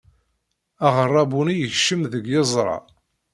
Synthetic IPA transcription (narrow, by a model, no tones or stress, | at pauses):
aʁərˤːɑbunijəçʃəmðəɡjezˤɾˤɑ̰